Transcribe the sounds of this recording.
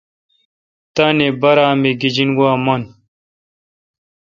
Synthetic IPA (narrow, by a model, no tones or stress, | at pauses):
t̪anebɐɾaːmeɡid͡ʑinɡaːmɐn